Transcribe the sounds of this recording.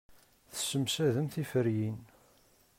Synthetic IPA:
θə̥səmsæðəmθifəɾjin

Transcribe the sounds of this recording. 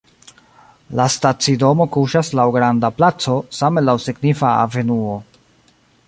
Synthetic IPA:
lastat͡sido̞mo̞kuʃaslawɡɾandaplat͡so̞samelawsiɡnifaa̰ve̞nuo

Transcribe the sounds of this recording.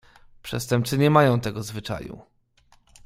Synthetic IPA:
pʂɛ̰st̪ɛmp̚t̪sɘɲɛmajɔ̃w̃t̪ɛɡɔzvɘt͡ʂa̰jṵ

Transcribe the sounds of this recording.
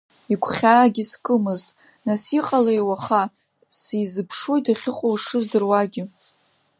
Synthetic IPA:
ikʷʰχʲaːɡʲɪskʼɨmɨztʼ | nasiqʼalajwaχa | sijzɨpʰʂojtʰaχʲɪqʷʼowʂɨzdɨrwaɡʲɪ

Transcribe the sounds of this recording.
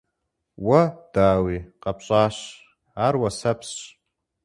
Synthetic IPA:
wad̥aːwiqʼapʰʼt͡ʃʷʼaːʃ | arwasapʰsʃʼ

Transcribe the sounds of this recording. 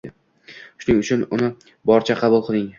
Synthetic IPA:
ɪ | ʃʊnɪŋʊt͡ʃʰʊnʊnɪ | bɒɾt͡ʃʰaqʰɑbʊlˠqʰɨlˠɪŋ

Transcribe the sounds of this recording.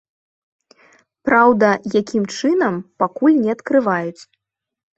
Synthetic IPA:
pɾawd̪ɐjakʲimt͡ʂɨnɐmpakulʲnʲɛɐt̪kɾɨvajut͡sʲ

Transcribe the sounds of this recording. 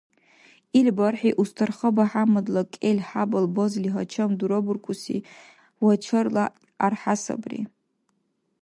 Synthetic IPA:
ilbarħiʔustʰɨrχəbaħamadlakʲʼelʲħabalbozliɦat͡ʃʰamduɾoburkʷʼusḭ | wat͡ʃʰɨrla | arħasa̰brḭ

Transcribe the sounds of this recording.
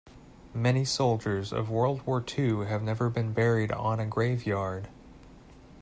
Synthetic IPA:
mɛñisoʊlˠd͡ʒə˞zʌ̰vwɜ˞lˠd̚wɔɹtʰʉɨvnɛvə˞bɨ̃nbɛɹiɾn̩ɨɡɹeɪvjɑɹd̥

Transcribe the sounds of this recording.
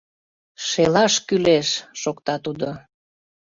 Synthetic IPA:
ʃelɑʃkyleʃːokt̪ɑt̪ud̪o

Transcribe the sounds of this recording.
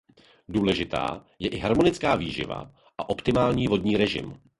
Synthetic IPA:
duːlɛʒɪt̪a̰ː | jɛʔɪɦaɾmo̞nɪt͡skaːviːʒɪ̰va̰ | ʔaʔo̞pt̪ɪmaːlɲiːvo̞dɲiːɾɛʒɪ̰m

